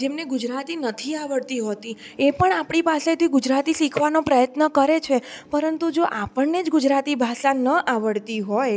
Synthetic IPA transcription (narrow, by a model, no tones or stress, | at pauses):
d͡ʒemneɡud͡ʒɾat̪inət̪ʰiaʋəɽt̪iɦot̪i | epəɳapɳ̃ipaset̪ʰiɡud͡ʒɾat̪iʃikʰʋanopɾəjət̪nəkəɾet͡ʃʰepəɾənt̪ud͡ʒoʔapəɳned͡ʒɡud͡ʒɾat̪ibʱasanəʔaʋəɽt̪iɦoj